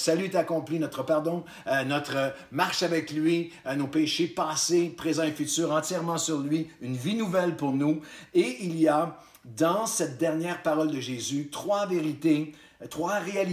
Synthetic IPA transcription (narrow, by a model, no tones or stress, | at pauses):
salyt̪akɔ̃plinɔt̪χəpaʁd̪ɔ̃ | nɔt̪ʁəmaʁʃavɛklɥinopeʃepaːsepʁezɑ̃efyt̪yːʁɑ̃t̪jɛʁmɑ̃syʁlɥiynvinuvɛlpuʁnueilia | d̪ɑ̃sɛt̪̚d̪ɛʁnjɛːʁpaʁɔld̪əʒezyt̪χwaveʁit̪e | t̪χwaʁeali